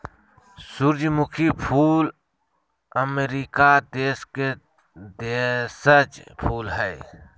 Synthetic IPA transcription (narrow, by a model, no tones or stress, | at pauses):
sʊɾd͡ʒmʊkʰipʰuːl | əmeɾikad̪eːske | d̪esət͡ʃpʰuːlɦɛː